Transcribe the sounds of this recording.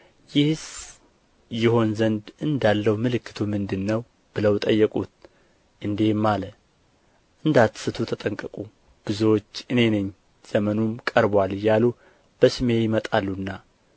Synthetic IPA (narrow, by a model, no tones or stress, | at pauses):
jɪhs | jɪho̞nzənd̪ʔɨnd̪alːəwmɨlɨkːɨ̥t̪ʰumɨnd̪ɨnːəw | b̥ɨləwt̪ʼəjːɛkʼut̪̚ | ʔɨnd̪e̞mːalə | ʔɨnd̪at̪ːsɨt̪ʰut̪ʰət̪ʼəŋkʼəkʼu | b̥ɨzuwot͡ʃːɨne̞nɨɲː | z̥əmənumkʼəɾbwalɨjːalu | b̥əsɨme̞jɪmət̪ʼalːunːa